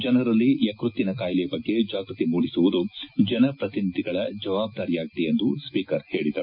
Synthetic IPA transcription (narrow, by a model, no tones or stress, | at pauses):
d͡ʒɐnɐɾɐlːijɐkɾut̪ːinɐkaːjlɛjɐbɐɡːe̞d͡ʒaːɡɾut̪imuːɽisuʋud̪ud͡ʒɐnɐpɾɐt̪inid̪ʱiɡɐɭɐd͡ʒɐʋaːb̚d̪aːɾijaːɡit̪ejend̪uspiːkɐɾhe̞ːɭid̪ɐɾu